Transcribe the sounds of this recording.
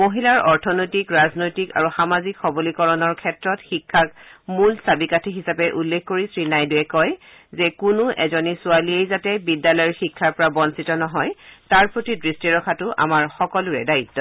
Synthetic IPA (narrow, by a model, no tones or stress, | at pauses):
moɦilaɹɔɹtʰɔnojtikɹaznojtika̰ɹuxamazikxɔbolikɔɹɔnɔɹkʰɛtɹɔtxikʰːak̚mulsabikatʰiɦisapɛʔulːekʰkoɹisɹinajduɛkɔj | zɛkunʊʔɛ̰zɔnisʊaliejzatɛbidːalɔjɔɹxikʰːaɹpɔɹabɔnsitɔnɔɦɔjtaɹpɹotidɹistiɹɔkʰatʊʔa̰maɹxɔkɔlʊɹɛ̰daitːɔ